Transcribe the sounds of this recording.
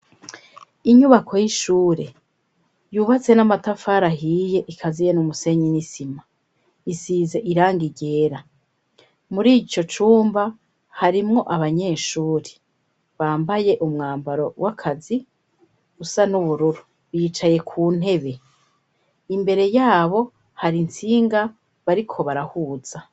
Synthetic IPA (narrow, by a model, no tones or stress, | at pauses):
iɲuβakʰo̞jiʃuːɾe̞ | juːβat͡se̞namatafaːɾaɦiːje̞ʔikʰazijenumuse̞ɲinisima | isiːze̞ʔiɾaːŋɡiɟe̞ːɾa | muɾiːt͡ʃo̞t͡ʃuːmba | haɾimŋo̞ʔaβaɲe̞ːʃuːɾe̥ | βaːmbaje̞ʔumŋaːmbaɾo̞wʔakʰazi | usanuβuɾuɾu | βiːt͡ʃaje̞kʰuːn̥e̞βe̞ | imbe̞ɾe̞jaːβo̞ | haɾint͡siːŋɡa | βaɾikʰo̞βaɾahuːz̥a